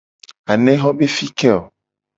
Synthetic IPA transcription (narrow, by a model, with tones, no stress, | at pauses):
a˨nɛ̃˦ɦɔ˦be˦fi˦kɛ˦o˨